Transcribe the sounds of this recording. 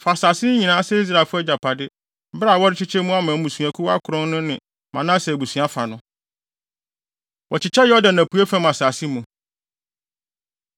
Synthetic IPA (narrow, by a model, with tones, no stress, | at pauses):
fa˨saː˨sɪ˦ɲĩ˨nãː˦sɛ˦i˦s̬ɾa˨fʊ˦ɛ˦d͡ʑa˨pʰa˨dɪ˦ | ba˦˨wɔ˦ɾɪ˦t͡ɕʰɪ˦t͡ɕʰɛ˦mũ˦a˦mãː˨˦mũ˨su˨æ̃˨kʰu˦wa̰˦kʰʊ˨ɾɔ̃˦nnʊ̃˦nɪ̃˨ | mã˨nã˦sɛ˨bu˨su˨˦a˦fa̰˨nʊ̃˦ | wɔ˨t͡ɕʰɪ˨t͡ɕʰɛ˦jɔ˦dã˨nã˨pʰu˨˦e˦fɛ̃˦m˨a˨saː˨si˦mũ˨